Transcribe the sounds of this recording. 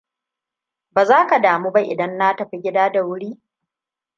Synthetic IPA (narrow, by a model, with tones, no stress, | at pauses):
baː˨zaː˦ka˨daː˨muː˦ba˦ʔɪ̰˨dɐ˦nːa˦tɐ˨ɸi˦ɡʲɪ˦daː˦da˨wʊ˦ɽiː˦